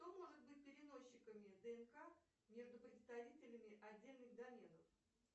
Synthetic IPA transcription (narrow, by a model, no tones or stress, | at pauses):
ʂt̪o̞mo̞ʐɨt̪̚bɨt̚ʲpʲɪɾʲɪno̞ɕːɪkəmʲɪd̪əɛnka | mʲe̞ʐd̪ʊpɾʲɪt̪st̪ɐvʲitʲɪlʲɪmʲɪʔɐdʲːelʲnɨɣd̪ɐmʲe̞nəf